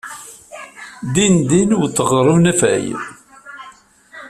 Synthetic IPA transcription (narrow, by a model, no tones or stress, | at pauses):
d̪ind̪inuwθəʁɾˤunæfæ̰j